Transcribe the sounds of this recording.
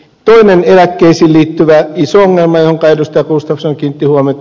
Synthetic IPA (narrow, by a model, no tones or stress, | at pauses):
t̪oinenelækːeisiːlliːt̪ːyʋæisooŋːelmɑjohoŋkɑidust̪ɑjɑkuːst̪ɑfsoŋkint̪ːihuomet̪